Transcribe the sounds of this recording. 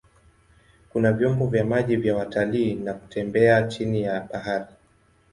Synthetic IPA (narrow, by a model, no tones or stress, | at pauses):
kunavjɔmbɔvjamaʄivjawataliːnaku̥tʰɛmbɛat͡ʃinijaɓahaɾi